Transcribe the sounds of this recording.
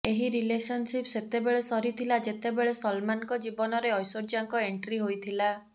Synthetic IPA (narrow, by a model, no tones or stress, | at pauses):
eɦiɾilesɔnsipset̪ebeɭesɔɾit̪ʰilad͡ʒet̪ebeɭesɔlmankɔd͡ʒibɔnɔɾeɔjsoɾd͡ʒaŋkɔeɳʈɾiɦojt̪ʰila